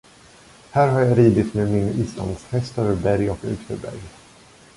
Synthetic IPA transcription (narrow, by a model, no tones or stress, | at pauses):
hæːɾɦaɾjaɾiːd̪ɪt̪memɪniːsla̰nd̪shɛst̪øːvəɾbæɾjɔkʉ̰ːksə̰ɾbæ̰ɾj